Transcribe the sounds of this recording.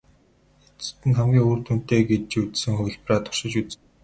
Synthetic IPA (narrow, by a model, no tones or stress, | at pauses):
et͡sɘ̥̆t̪ɘ̆nχæmɡʲiːŋoːrt̪un̥t̪eːɡet͡ɕut͡ssɘ̆ŋxɵw̆ʲɮpraːt̪ʰʊ̥rʃɪ̆t͡ɕut͡s